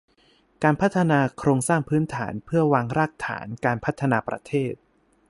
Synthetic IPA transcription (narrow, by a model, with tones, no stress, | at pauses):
kaː˧npʰa˦˥t̪ʰːa˧naː˧kʰɾoː˧ŋsaː˥˩ŋpʰɯː˦˥nt̪ʰa̰ː˩˦npʰɯ˥˩ɐwaː˧ŋɾaː˥˩k̚t̪ʰa̰ː˩˦nkaː˧npʰt̪ʰːa˧naː˧pɾa̰˧t̪ʰeː˥˩t̪̚